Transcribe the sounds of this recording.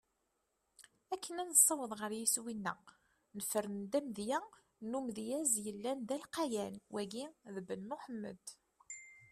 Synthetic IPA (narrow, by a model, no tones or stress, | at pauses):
ækːənænəsˤːɑwəðˤʁəɾjiswinːæ | nəfəɾənd̪æmðjæ | numðjæzjəlːænd̪ælqɑjænwʔæɡiðəbənːuħəmːə̰d̪